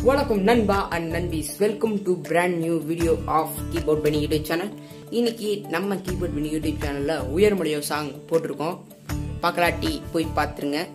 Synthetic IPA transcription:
ʋɐɳɐkːɐmnɐnbaːʔɐɳɖnɐnbisʋɛlkɐmʈubɾaːɳɖnjuːʋiːɽɪjoːʔaːfkiːboːɖ̚bɐɳijuɖɪt͡ʃaːnɐl | ɪnːɪkːinɐmːɐkiːboːɖ̚bɪɳijuɽɪt͡ʃaːnɐlːɐʊjɐɾmʊɽɐjoːsaːŋɡpoːʈːɯɾɯkːõ | pɐkːɐɭaːʈːipoːjpaːɾt̪ɯɾɯŋɡɐ

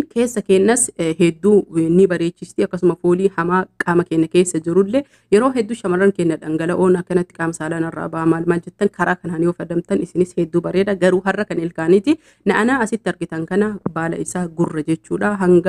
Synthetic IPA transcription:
ke̞ːsːɐkeːnːɐsɦɛd̪ːuːnɪbɐɾeːt͡ʃːɪst̪iːɐkːɐsʊmɐfoːliːhɐmaːkʼaːmɐke̞ːnːɐke̞ːsːɐd͡ʒɪɾʊlːɛ | jɛɾo̞ːɦɛd̪ːʊʃɐmɐrːɐŋkeːnːɐᶑɐŋɡɐlɐʔoːnɐkːɐnɐt̪ːɪ̥kʼaːmsaːlɐnɐrːa̰ːbɐʔɐmaːlmaːld͡ʒɛt̪ːɐŋkʰɐɾʔaːkɐnhɐnjoːfɐd̪ɐmt̪ɐnɪsɪnɪshɛd̪ːuːbɐɾeːᶑ̪ɐɡɐɾuːɦɐrːɐkɐnɛlkaːnɪt̪ɪ | nɐʔɐnaːɐsɪt̪ːɪɐɾɡɪt̪ɐŋkɐnɐbaːlɐ̰ɪsaːɡʊrːɐd͡ʒɛt͡ʃːuːᶑaɦɐŋɡɐ

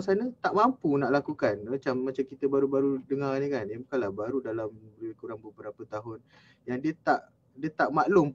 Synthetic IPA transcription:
sanət̪aʔmampunaʔlakukanmat͡ʃamːat͡ʃamkit̪əbaɾubaɾudəŋarnikanəbukanlabaɾudalamkuɾaŋbəbəɾapət̪aɦʊn | jaŋdiət̪aʔ | diət̪aʔmaʔlʊm

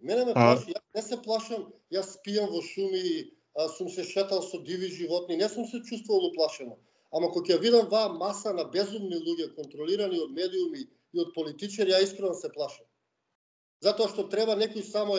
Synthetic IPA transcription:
mɛnɛmɛplaʃijanɛsɛplˠaʃamjasːpijamvɔʃumi | sumsɛʃɛt̪alˠsɔd̪iviʒivɔt̪̚ninɛsumsɛt͡ʃust̪vuvalˠuplˠaʃɛnɔ | amakɔcɛjavid̪amvaːmasanabɛzumnilˠuɟɛkont̪ɾɔliɾaniod̪mɛd̪iumiː | ot̪̚polit̪it͡ʃaɾijaiskɾɔd̪asɛplˠaʃam | zat̪oɔaʃt̪ɔt̪ɾɛbanɛkojsamɔ

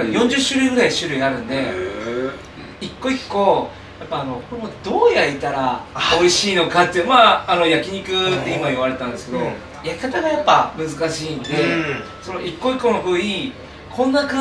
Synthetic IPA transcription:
jõ̞ɲ̟d͡ʑɨɕːɨɾɯ̟iɡɯɾaiɕɨɾɯ̟iaɾɯ̟̃nd̪e̞ | ikːo̞ikko̞ | japːaːno̞koɾemod̪̥o̞ːjait̪aɾao̞iɕiːno̞kat̪ːemaːno̞jakʲiɲ̟ikɯ̟t̪ːe̞imaiβaɾe̞t̪ãnd̪e̞sɨ̥ke̞d̪o̞ | jakʲi̥kat̪aɡajapːamɯ̟zɨkaɕiːnd̪e̞ | so̞no̞ʔikːo̞ikːo̞no̞bɯ̟ːi | kʰõ̞nːaka

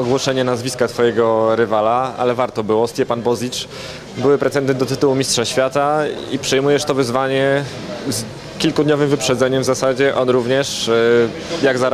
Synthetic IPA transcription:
ɔɡwɔʂɛɲɛnazvʲiskat̪fɔjɛɡɔɾɘvalaa̰lɛvaɾt̪ɔbɘwɔst̪ʲjɛpanbɔzʲit͡ʂ | bɘwɘpɾɛt̪sɛnd̪ɛnd̪ɔt̪ɘt̪uwumʲistʂaɕfʲjat̪aḭpʂɛjmujɛʂt̪ɔvɘzvaɲɛ | z | kʲilkud̪ɲɔvɘmvɘpʂɛd̪zɛɲɛmvzasad͡ʑɛʔɔnɾuvɲɛʂ | jaɡza

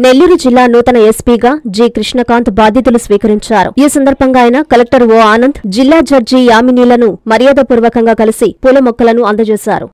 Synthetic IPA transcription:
ne̞lːuɾud͡ʒilːaːnut̪ɐnɐespiːɡaːd͡ʒiːkɾiʂɳɐkaːnt̪baːd̪ʱjit̪̬ulusʋiːkɐɾiɲt͡ʃaːɾṵiːsɐnd̪ɐɾbʱɐŋɡaːjinɐkɐlek̚ʈɐɾʋoːaːnɐnd̪ʱd͡ʒilːaːd͡ʒɐɾd͡ʒiːjaːminiːlɐnumɐɾijaːd̪ɐpuːɾʋɐkɐŋɡaːkɐlisipulɐmɔkːɐlɐnuɐnd̪ɐt͡ʃɛːsa̰ːɾṵ

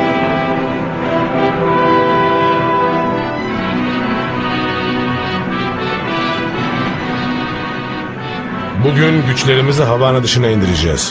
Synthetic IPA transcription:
buɟynɟyt͡ʃlʲe̞ɾimiziɦavaːnad̪ɯʃɯnaind̪iɾed͡ʒɛ̰ːz̥

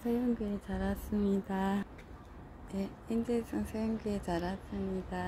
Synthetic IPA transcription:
sʰejɯŋɡɯet͡ɕaɾasɯmɲid̪a | e | ind͡ʑesʰɯŋsʰejɯŋɡɯet͡ɕaɾas͈ɯmɲid̪̥a

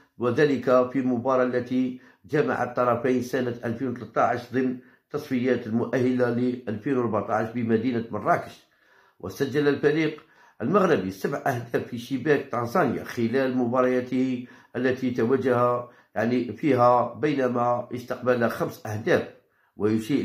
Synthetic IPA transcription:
wəd̪æləkæfilmʊbɑɾˤɑʔlːæt̪i | d͡ʒæma̰ʕa̰t̪ˤːɑɾˤɑfajnsænət̪ʔælfinwt̪lət̪ˤːɑʕəʃd̪ˤəmn | t̪ːɑsˤfəjæt̪əlmʊʔæhːəlaliʔælfinwəɾˤbaʕt̪ˤɑʕʃbimæd̪inəmərˤːɑkə̥ʃ | wʔə̰sæd͡ʒːæləlfæɾiq | ʔəlməɣɾɪbisəbʕʔæhd̪æfːiʃəbæk̚t̪ˤɑnsˤɑnja̰xəlælmʊbɑɾˤɑjæt̪əhiʔəlːæt̪it̪æwæʒæhæ | jaʕnifiɦæbəjnæmæjəst̪ɑqbəlæxæmsʔæhd̪æf | wəjuʃiʔ

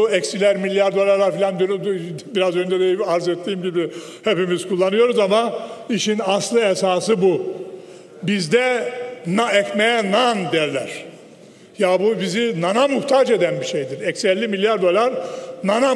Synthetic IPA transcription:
ɛcsilʲæɾmilʲːjaɾd̪o̞lˠaɾlˠaɾfilʲand̪ynybiɾazø̞nd̪ɛd̪eiaɾzet̪ʰːiːmɟibi | he̞pimiz̥kʰulˠːanɯjo̞ɾuzamaiʃinaslˠɯesaːsɯbu | bizd̪ɛnaɛcmejɛnand̪ijɛɾlʲæ̰ɾ̝̥ | jabubizinanamuht̪ʰaːd͡ʒed̪ænbiʃejd̪iɾɛcsɛlʲːimilʲjaɾd̪o̞lˠaɾnana

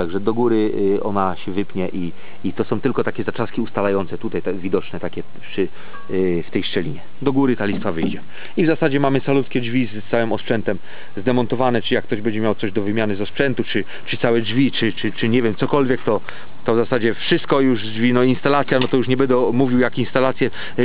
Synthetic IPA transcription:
t̪aɡʐɛd̪ɔɡuɾɘɔ̰naɕɛvɘpɲɛʔi | it̪ɔsɔ̃w̃t̪ɘlkɔt̪akʲɛzat͡ʂaskʲiust̪alajɔnt̪sɛt̪ut̪ajt̪vʲid̪ɔt͡ʂnɛt̪akʲɛ | pʂɘ | ft̪ɛjʂt͡ʂɛlʲḭɲɛ | d̪ɔɡuɾɘt̪alʲist̪favɘjd͡ʑɛ | ivzasad͡ʑɛmamɘsalut̪skʲɛd͡ʐvʲizt̪sawɘmɔspʂɛnt̪ɛm | zd̪ɛmɔnt̪ɔvanɛt͡ʂɨjak̚ːt̪ɔʑbɛɲd͡ʑɛmjawt̪sɔʑd̪ɔvɘmʲjanɘzɔspʂɛnt̪ut͡ʂɘ | pʂɨt̪sawɛd͡ʐvʲit͡ʂɘt͡ʂɘt͡ʂɘɲɛvʲjɛmt̪sɔkɔlvʲjɛkt̪ɔ | t̪ɔvzasad͡ʑɛfʂɘst̪̚kɔjuʐd͡ʐvʲinɔinst̪alat̪sʲjanɔt̪ɔjuʂ̬ɲɛbɛnd̪ɛmuvʲiwjakinst̪alat̪sʲjɛ

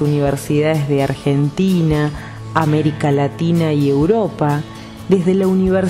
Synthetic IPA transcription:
uniβ̞eɾsiðaðezðeaɾxent̪inaː | meɾikalat̪inaiewɾopa | ðe̞zðe̞launiβ̞eɾ

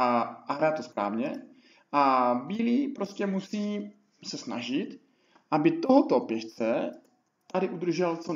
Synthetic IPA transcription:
aaɦɾaːt̪ospɾa̰ːvɲɛ | ʔabiːliːpɾoscʲɛmusiː | sɛsna̰ʒɪt̪ | ʔabɪt̪oɦɔt̪opjɛʃt͡sɛ | t̪adɪʔud̪r̩ʒɛlt͡so

